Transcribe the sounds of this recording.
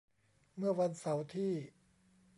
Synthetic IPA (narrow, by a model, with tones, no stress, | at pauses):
mɯ˥˩ɐwa˧nsa˩˦wt̪ʰiː˥˩